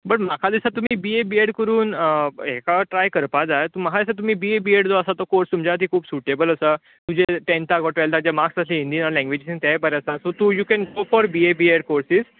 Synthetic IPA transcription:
bəʈmakʰad̪isat̪um̤iːbiebieɽkəɾuːnekaʈɾajkəɾpad͡zajt̪umakʰad̪isat̪̬um̤iːbiebieɽd͡z̪oəsat̪okoɾst̪umt͡ɕat̪̬iːkʰuːbsuʈebələsa | t̪ud͡ʑeʈẽnt̪akɔʈʋalt̪ad͡ʑjamaksəslẽĩnd̪iːnaɾlɛ̃ŋɡʋed͡ʑisĩŋt̪aɦjbəɾaəsasot̪uːjukɛ̃nɡofɔɾbiebieɽkoɾsiz

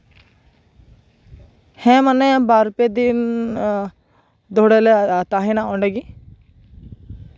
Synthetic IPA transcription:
hɛ̃ːmənːẽbaːɾped̪in | d̪oːɽelet̪aːɦinãɔ̃ːɳɖeːɡi

